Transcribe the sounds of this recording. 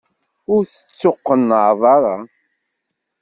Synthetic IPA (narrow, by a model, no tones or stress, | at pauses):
ʊɾθə̥t͡sːoqːənːəʕðˤɑɾˤɑ